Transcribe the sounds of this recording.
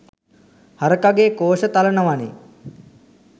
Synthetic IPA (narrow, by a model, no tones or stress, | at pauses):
haɾəkaɡeːkoːʃət̪alənəʋanḛ